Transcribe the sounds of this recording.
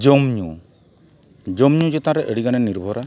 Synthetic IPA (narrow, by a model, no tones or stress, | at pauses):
d͡ʒɔmɲṵ | d͡ʒɔmɲud͡ʒɛt̪ãɾɛʔəɽiɡanɛniɾbʱɔɾa